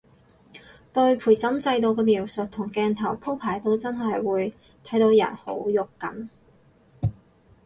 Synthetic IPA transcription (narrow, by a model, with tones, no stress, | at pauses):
t̪ɵ˧ɥpʰuː˨˩jsɐ˨˥mt͡sɐ˧jt̪o˨˧wk̬ɛː˧miː˨˩wsɵ˨t̚t̪ʰʊ˨˩ŋkɛː˧nt̪ʰɐ˨˩wpʰo˥wpʰaː˨˩jt̪o˥wt͡sɐ˥nɦɐ˨jwuː˨˧j | t̪ʰɐ˨˥jt̪o˨˥wjɐ̰˨˩nho̰˨˥wjʊ˨kːɐ̰˨˥n